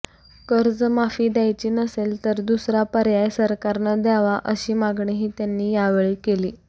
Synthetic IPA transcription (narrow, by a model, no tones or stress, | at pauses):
kəɾd͡zmafiːd̪jajt͡ɕiːnəselt̪əɾd̪usɾapəɾjajsəɾkaɾnəd̪jaʋaʔəɕiːmaɡɳeɦiːt̪janːiːjaʋeɭiːkeliː